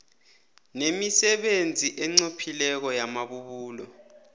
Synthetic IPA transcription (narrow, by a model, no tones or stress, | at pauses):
nemisɛɓend͡zʱiʔɛŋ͡ǀopʰilɛk̬ɔjamaɓuɓuːlɔ